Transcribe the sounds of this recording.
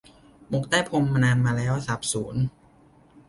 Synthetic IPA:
mo˨˩k̚t̪aː˥˩jpʰo˧mːa˧naː˧nmaː˧lɛː˦˥˩wsa˨˩p̚suː˩˦n

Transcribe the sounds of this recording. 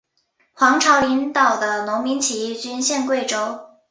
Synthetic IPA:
xwɑ˧˥ŋʈ͡ʂʰɑ˧˥ʊli˧˥nt̪ɑ˨˩ʊd̪ə˦nʊ˧˥ŋmi˧˥ŋt͡ɕʰi˧˥˩t͡ɕy˥nɕjɛ˥˧nkwe˥˩ɪʈ͡ʂo˥ʊ

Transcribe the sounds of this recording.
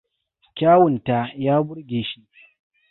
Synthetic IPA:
kʲaː˦wʊ˨nta˦˨jaː˦bʊ˦ɽɡʲeː˨ʃi˦ʔ

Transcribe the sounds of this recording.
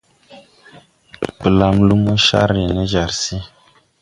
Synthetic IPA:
pə˨la˨mlu˦mu˦ʃa̰˦ɾe˨nə˦ʒa˨ɾsi˦

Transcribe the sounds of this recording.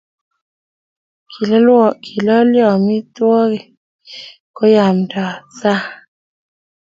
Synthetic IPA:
kʰi˨lɔ˦lwɔ˨kʰi˨lɔ˦ljɔ˨mɪ˦t̪wɔ˦ɡe˨ | kɔ˦ja˨mdɔ˨sa˦

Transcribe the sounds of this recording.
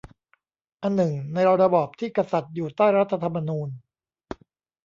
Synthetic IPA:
ʔa˨˧nːɯ˨˩ŋna˧jɾa˧ɾa˧bɔː˨˩p̚t̪ʰiː˥˩ka˧sa˨˩t̪̚juː˨˩t̪aː˥˩jɾa˦˥t̪ʰːa˧t̪ʰa˧mːa˧nuː˧n

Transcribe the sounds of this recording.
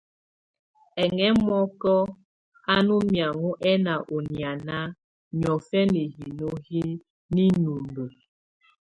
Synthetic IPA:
ɛ˨ŋɛ˦mɔ˦kɔ˦ | a˦nu˦mja˨ŋu˦ʔɛ˦na˨ʔo˨nja˨na˦ | ɲɔ˨fɛ˦ni˨ɦi˨no˦hi˦ | ni˦nu˨mbə˨

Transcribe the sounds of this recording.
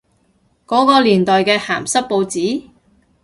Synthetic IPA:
kɔː˨˥kɔː˧liː˨˩nt̪ɔː˨jkɛː˧haː˨˩msɐ˥t̚po˧wt͡siː˨˥

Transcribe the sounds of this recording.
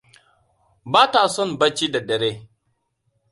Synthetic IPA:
baː˦ta˨sɔ˦nba˦t͡ʃi˦da˨dɐ˨ɾeː˦

